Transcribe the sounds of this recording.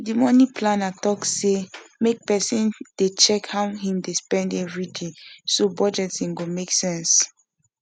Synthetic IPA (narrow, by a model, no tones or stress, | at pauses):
dimɔnĩpʰlãnatɔksemek̚pɛsĩnd̥et͡ʃɛkhaʊɦĩmdespɛ̃ndɛɹidʰĩsobɔd͡ʒɛtĩnɡomeksɛ̃ns